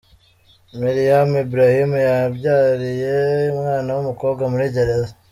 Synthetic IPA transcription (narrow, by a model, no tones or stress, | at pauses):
maɾijamibɾahimjabɟaːɾijeumŋaːnawumukoːbɡwamuɾiɟeɾeza